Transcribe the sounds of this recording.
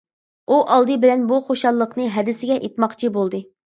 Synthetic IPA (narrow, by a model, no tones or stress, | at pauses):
uʔɑlˠd̪ɨbɪlɛnbuχoʃɑlˠːəqnɨɦɛd̪ɪsɪɡʲɛʔet̪mɑqt͡ʃʰibolˠd̪ɨ